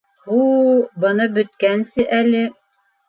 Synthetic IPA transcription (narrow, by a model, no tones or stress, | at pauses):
hubɤ̆nɤbɵ̆t̪̚kænsɘʔælɘ